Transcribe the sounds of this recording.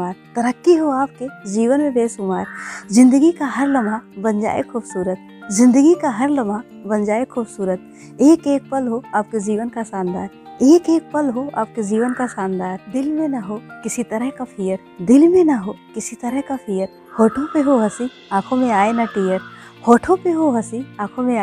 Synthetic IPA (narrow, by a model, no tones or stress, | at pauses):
aːɾt̪ɐɾəkːiɦoaːp̚ked͡ʒiːʋənmẽbeːsʊmaːɾzɪ̃nd̪əɡikaɦɐɾlɐmabɐnd͡ʒa̰ːḛkʰuːbsuːɾət̪̚ | zɪ̃nd̪əɡikaɦɐɾlɐma | bɐnd͡ʒaːekʰuːbsuːɾət̪̚ | eːkeːk̚pɐlɦoaːp̚ked͡ʒiːʋənkasaːnd̪aːɾeːkeːk̚pɐlɦoa̰ːp̚ked͡ʒiːʋənkasaːnd̪aːɾd̪ɪlmẽnaɦokɪsit̪ɐɾəɦkapʰijəɾ | d̪ɪlmẽnɐɦokɪsit̪ɐɾəɦkapʰiːjəɾ | hoːʈʰõpeɦoɦɐsĩ | aːkʰõmẽaːenɐʈijəɾ | hoːʈʰõpeɦoɦɐsiãːkʰõmẽa